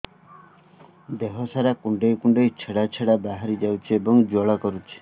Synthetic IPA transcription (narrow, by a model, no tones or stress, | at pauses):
d̪eɦɔsaɾakuɳɖejkuɳɖejt͡ʃʰeɽat͡ʃʰeɽabaɦaɾid͡ʒawt͡ʃʰiebɔŋd͡ʒɔɭakɔɾut͡ʃʰi̥